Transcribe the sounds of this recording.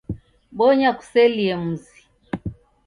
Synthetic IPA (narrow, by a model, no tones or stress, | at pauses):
ɓɔɲaku̥sɛliɛmuzi